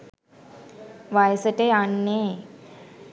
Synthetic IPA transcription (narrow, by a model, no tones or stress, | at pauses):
ʋajsəʈeanːe